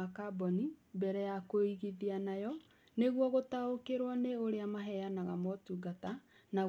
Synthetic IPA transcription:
akabɔnibɛɾɛjakoiɣiðianajɔ | neɣwɔɣotaokeɾwaneoɾeamaɦɛjanaɣamɔtuɡata | na

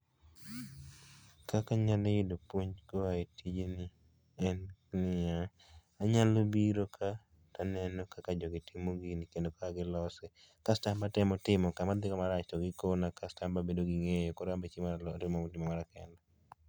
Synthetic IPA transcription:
kakaɲalejidopwoɲkoaetid͡ʒenɪ | ɛnnɪaː | ɲalobiɾokʰa | tanɛnɔkakad͡ʒɔɡɪtʰɪmoɡinɪkendokaaɡɪlɔsɛ | kastambatɪmɔtɪmɔkamad̪ɪkɔmaɾat͡ʃtɔɡɪkonakastambabedoɡɪŋejokɔɾambet͡ʃimaɾaltɪmomotɪmɔmaɾakɛnda

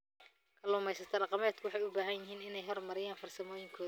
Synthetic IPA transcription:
kʰɐlʊːmɛjsɐt̪ʰɐɖɑqɑmɛːt̪̚kʰʊwɑħɑjʊbaːɦɐnjɪɦiːnɪnɛjɦɔrmɐɾɪjaːnfɐrsɐmɔːjɪŋkʰɔː

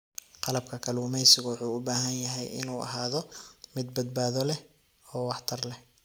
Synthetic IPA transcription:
qɑlɐb̚kʰɐkʰɐluːmɛjsɪɣɐwʊħuːʊbaːɦɐnjɐɦɛjɪ̰nuːʔɐ̰ɦaːðɔmɪd̪bɐd̪̚baːðɔlɛ | ɔːwɑħt̪ʰɐrlɛ

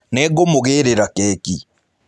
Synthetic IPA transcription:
nɛɣomoɣeːɾeɾakɛːki

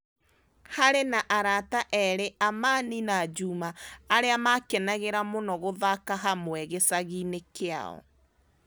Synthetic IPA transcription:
haɾenaʔaɾataʔɛɾeʔamaːninad͡ʒumaːɾeamakɛnaɣeɾamonɔɣoðakaɦamwɛɣesaɣiːnekea̰ɔ̰

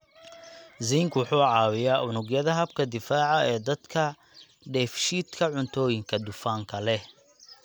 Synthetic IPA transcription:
ziːŋkwʊħuːʕɑːwɪjaːʔʊnʊɡjɐðɐɦɐb̚kʰɐd̪ɪfaːʕɑʔɛːd̪ɐd̪kʰɐ | ɖɛːfʃiːd̪kʰɐʕʊnt̪ʰɔːjɪŋkʰɐd̪ʊfaːŋkʰɐlɛ

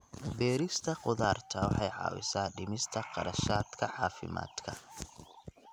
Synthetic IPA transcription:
bɛːɾɪst̪ʰɐqʊðaːrt̪ʰɐwɑħɑjʕɑ̰ːwɪ̰saːɖɪmɪst̪ʰɐqɑ̰ɾɐʃaːd̪kʰɐʕɑːfɪ̰ma̰ːd̪̥kʰɐ

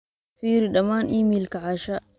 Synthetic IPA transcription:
fiːɾiɗɐmaːnʔimilkaʕaʃa

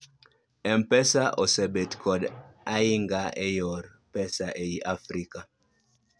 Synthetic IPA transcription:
ɛmpɛsaʔɔsɛbetkʰɔdaiŋɡaʔɛjɔɾ | pɛsaʔeiʔafɾika

